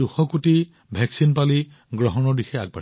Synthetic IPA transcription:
uxɔkuti | bʱɛksinpali | ɡɹɔɦɔnɔɹdixɛaɡ̚ba̰

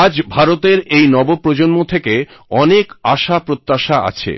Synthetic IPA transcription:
ad͡ʑbʱaɾot̪eɾejnɔbopɾod͡ʑonmot̪ʰeke | ɔnekaʃapɾot̪ːaʃaa̰t͡ɕʰḛ

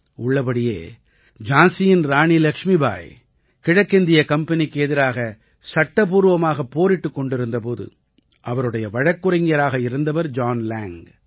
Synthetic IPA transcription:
ʊɭːɐpɐɽɪjḛː | d͡ʒaːnsɪjɪnɾaːɳilɐkʂmiba̰ːj | kɪɻɐkːɪnd̪ɪjɐkɐmpɐnɪkːɛðɪɾaːɣɐ | sɐʈːɐpuːɾɯʋɐmaːɣɐpːoːɾɪʈːɯkːɔɳɖɪɾɯnd̪ɐpoːðɯ̰ | ʔɐʋɐɾɯɽɐjɐʋɐɻɐkːɯɾɐŋɐɾaːɣɐɪɾɯnd̪ɐʋɐɾd͡ʒaːnlaːŋ

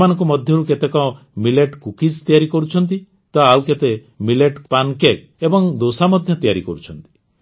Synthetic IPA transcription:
manɔŋkumɔd̪ʱjɔɾuket̪ekɔ | mileʈkukist̪ijaɾikɔɾut͡ʃʰɔnt̪i | t̪ɔawket̪e | mileʈpankek | ebɔŋd̪osamɔd̪ʱjɔt̪ijaɾḭkɔɾut͡ʃʰɔnt̪i̥

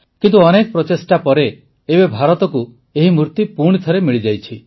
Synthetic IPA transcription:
kint̪uɔnekɔpɾɔt̪esʈapɔɾe | ebebʱaɾɔt̪ɔku | eɦimɾuɾt̪ipuɾɽ̃it̪ʰɔɾemiɭid͡ʒajt͡ʃʰi

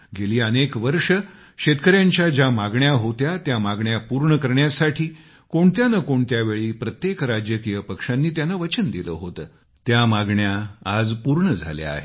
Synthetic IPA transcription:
ɡeliːənekʋəɾʂə | ɕet̪kəɾjãɲt͡ɕjad͡ʑamaɡɳjaɦot̪jat̪jamaɡɳjapuɾɳəkəɾɳjasaʈʰiː | koɳt̪janəkoɳt̪jaʋeɭiːpɾət̪jekɾad͡ʑjəkijəpəkʂãnːiːt̪janaʋət͡ɕənd̪ilə̰ːɦot̪əː | t̪jamaɡɳjaad͡zpuɾɳəd͡zʱa̰ljḛa̰ɦe

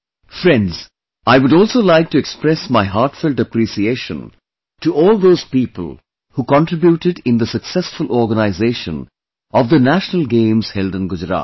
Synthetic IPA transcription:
fɾɛ̃ndz̥ | aɪʋʊɾɔːlˠsoːlaɪk̚ʈuɛkspɾɛsmaɪɦaɾʈfɪldəpɾisieːʃə̰̃n | tuʔɔːlˠd̪oːz̥piːpəl | hukɔ̃nʈɾɪbjuːʈɨɖɪ̃nd̪əsəksɛsfʊlɔːɾɡənaɪzeʃə̰̃n | ɔvd̪ənæʃnəlɡẽɪ̃mz̥hɛldə̃nɡʊd͡ʒɾa̰ː

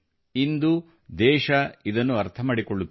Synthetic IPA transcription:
ind̪u | d̪ɛːʃɐid̪ɐnːuɐɾt̪ʰɐmaːɽikɔɭːut̪ː

